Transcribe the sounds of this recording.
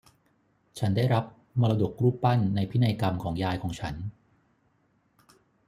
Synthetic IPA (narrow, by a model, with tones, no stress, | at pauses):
t͡ɕʰa˦˥ndaː˥˩jɾa˦˥p̚ | mɔː˧la˧du˨˩kɾuː˥˩ppːa˥˩nːa˧jpʰi˦˥na˧jka˧mkʰɔː˩˦ŋjaː˧jkʰɔː˩˦ŋt͡ɕʰa˦˥n